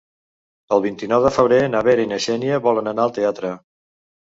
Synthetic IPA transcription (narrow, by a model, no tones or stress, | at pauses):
əlˠβint̪inɔwðəfəβɾenəβeɾəinəʃɛnjəβɔlənənaəlˠt̪eat̪ɾə